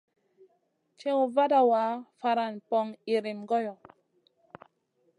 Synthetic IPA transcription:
t͡ʃɛ̃˦u˨va˦da˨wa˨˦fa˧˨ɾa˨npɔ˦ŋi˨ɾi˨mɡɔ˦jɔ˨

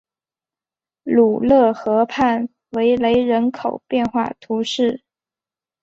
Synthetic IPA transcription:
lu˨˩lɤ˥˩xɤ˧˥pʰa˥˩n | we˧˥ɪle˧˥ɪɻə˧˥nkʰo˨˩ʊpjɛ˥˧nxwa˥˩t̪ʰu˧˥ʂɻ̩˥˩

